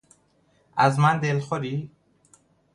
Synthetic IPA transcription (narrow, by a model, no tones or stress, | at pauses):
æzmænd̪elxoɾi